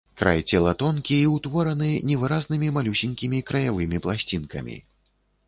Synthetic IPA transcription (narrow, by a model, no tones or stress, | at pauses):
kɾa̰jt͡sʲɛlˠɐt̪ɔnkʲiiwt̪vɔɾɐnɨnʲɛvɨɾaznɨmʲimalʲusʲinʲkʲimʲikɾɐjavɨmʲiplˠasʲt͡sʲinkɐ̰mʲḭ